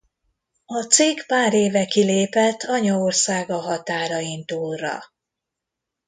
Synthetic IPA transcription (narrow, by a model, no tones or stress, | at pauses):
ɒt̪seːɡpaːɾeːvɛkileːpɛt̪ʰːɒɲɒorsaːɡɒɦɒt̪aːɾɒint̪uːlrːɒ̰